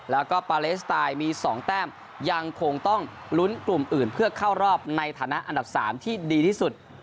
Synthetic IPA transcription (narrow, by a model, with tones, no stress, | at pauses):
lɛː˦˥wkɔː˥˩paː˧leː˦˥st̪aː˧jmiː˧sɔː˩˦ŋt̪ɛː˥˩m | ja˧ŋkʰo˧ŋt̪ɔ˥˩ŋ | lu˦˥nklu˨˩mʔɯː˨˩npʰɯ˥˩ɐkʰaː˥˩wɾɔː˥˩p̚na˧jt̪ʰaː˩˦na˦˥ʔa˧nda˨˩p̚sa̰ː˩˦mt̪ʰiː˥˩diː˧iː˥˩su˨˩t̪̚